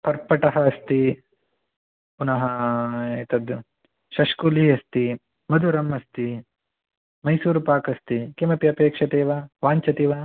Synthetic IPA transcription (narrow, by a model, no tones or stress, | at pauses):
pɐɾpɐʈɐɦɐɐst̪i | punɐɦɐet̪ɐd̪ | ʃɐʃkuliːɐst̪i | mɐd̪ʱuɾɐmːɐst̪i | mɐjsuːɾupaːkɐst̪ikemɐpiɐpeːkʂɐt̪eːʋaːʋaːɲt͡ʃɐt̪iːʋaː